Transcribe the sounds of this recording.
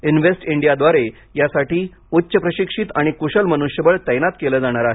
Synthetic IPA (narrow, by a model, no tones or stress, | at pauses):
inʋesʈiɳɖijad̪ʋaɾe | jasaʈiː | utːɕəpɾəɕikʂit̪aɽ̃ikuɕəlmənuɕjəbəɭt̪əjnat̪keled͡zaɽ̃aɾaɦe